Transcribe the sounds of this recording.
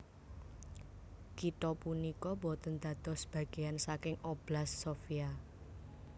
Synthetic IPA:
kit̪ɔpunikɔbɔ̤t̪ənd̪ad̪̥ɔsb̥ä̤ɡ̥e̤jansakɪŋob̥lasːofia

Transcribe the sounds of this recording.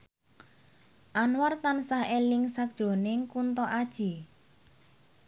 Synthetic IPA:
ʔanwart̪ansahelɪŋsak̚d̥ʒ̥o̤nɪŋkunt̪ɔʔad̥ʒ̥i̤

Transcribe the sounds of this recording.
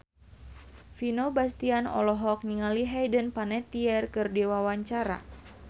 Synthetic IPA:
finobast̪ianɔ̰lɔɦɔk̚niŋaliɦɛjdənpanɛt̪iɛrkɨrdɛwawaɲt͡ʃaɾa̰

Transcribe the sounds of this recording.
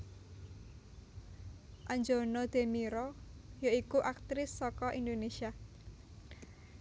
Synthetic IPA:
ʔaɲd͡ʒonɔd̪̥e̤miɾɔjaikuʔak̚t̪ɾɪsːɔkɔʔind̪onesia

